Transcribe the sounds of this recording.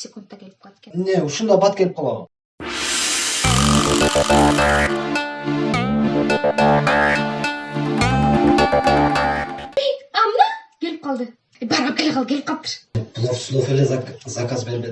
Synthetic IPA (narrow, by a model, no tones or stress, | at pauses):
sʲekunt̪ːɑkʲʰe̞lɪpq̪ʰkeneʊʃənd̪ɑbɑt̪̚kʲʰe̞lɪp̚qʰɑlˠɑwə̰ | ejt̪ɑmənɑkʲʰe̞lɪp̚qʰɑlˠd̪ə | bɑɾʁɑkʲʰelʲqɑlˠkʰʲelɪp̚qʰɑpt̪ːə̥ʃplˠofslˠofelezzakazbeɾme